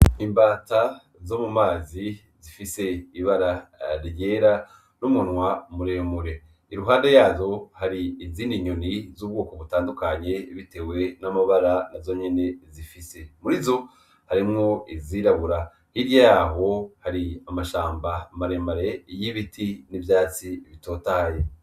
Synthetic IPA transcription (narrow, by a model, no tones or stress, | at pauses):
imbaːta | zo̞mumaːzi | zifise̞iβaɾaɾje̞ɾa | numunwamuɾeːmuɾe̞ | iɾuɦaːndejaːzo̞haɾiːziːndiɲonizuːb̚ɡo̞ːko̞βutaːndukaɲe̞βite̞we̞namaβaɾanazo̞ɲe̞ne̞zifise̞muɾizo̞ | haɾimŋo̞iziːɾaβuɾa | hiɾjajaɦo̞haɾiamaʃaːmbamaɾe̞maɾejiβitʰinivjaːt͡siβito̞ːtaje